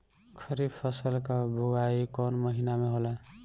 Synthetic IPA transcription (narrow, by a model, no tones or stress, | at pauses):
kʰəɾibpʰəsəlkabʱuɡaikɔnməɦinameɦolɛ